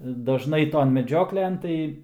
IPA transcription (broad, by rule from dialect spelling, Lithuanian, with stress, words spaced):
dɐˈʒnɐɪ ˈtoːn mʲɛˈd͡ʒʲoːklʲɛn ˈtɐɪ